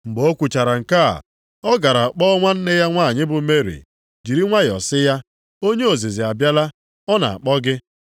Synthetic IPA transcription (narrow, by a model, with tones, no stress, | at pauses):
ŋ͡m̩˨ɡ͡bo˦kʷu˨t͡ʃa˨ɾa˨ŋ̩˨ka̰˦˨ | ɔ˦ɡa˨ɾa˨k͡pɔ˦ɔ˦ŋʷa˦n̩˦nɪ˦ja˦ŋʷa˦˨ɲɪ˦bʊ˨me˦ɾḭ˨ | d͡ʒi˨ɾi˦ŋʷa˦jɔ̰˨sɪ˦ja˦ | o˦ɲe˦o˨zi˨zi˨a˨bja˦la˦ | ɔ˦na̰˨a̰˨k͡pɔ˦ɡɪ˦